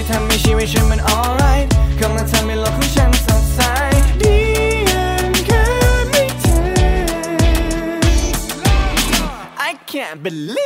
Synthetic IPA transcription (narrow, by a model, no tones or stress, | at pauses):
tʰɛlˠmiʃiwɪʃɨ̃mɨ̃ɾɔlˠɹaɪt̚kʰʌ̃mɨ̃ntʰɛlˠmilʌkiʃæ̃nsasaɪiənkʰəmitʰɨ | ʔaɪkʰæ̃nb̥ɨl